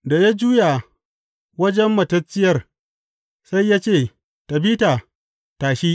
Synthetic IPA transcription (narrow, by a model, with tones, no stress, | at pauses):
da˨ja˦d͡ʒuː˦ja˨ | wɐ˦d͡ʒɛ˦mːɐ˨tɐ˦t͡ʃːɪ˦jɐ˦r | sa˦jːaː˦t͡ʃeː˦˨ | tɐ˨biː˦taː˨ | taː˨ʃiː˦